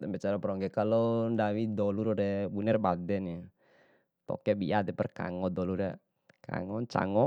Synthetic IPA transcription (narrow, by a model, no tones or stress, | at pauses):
t̪ɛmbɛt͡ʃaɾapɾɔŋɡɛkalɔndawidɔluɾɔɾɛbunɛrbadɛni | t̪ɔ̰kɛbiat̪ɛpɛrka̰ŋɔd̪ɔluɾɛ | ka̰ŋɔt͡ʃa̰ŋɔ